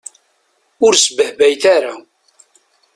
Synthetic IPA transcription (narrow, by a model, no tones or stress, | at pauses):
ʊɾsbəhbæjθaɾa